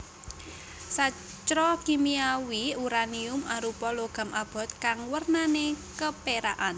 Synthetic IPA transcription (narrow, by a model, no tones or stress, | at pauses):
sa | t͡ʃɾɔkimiawiuɾaniʊmaɾupɔloɡ̥a̤mʔab̥ɔ̤t̪̚kaŋwərnanekəpeɾa̰ʔan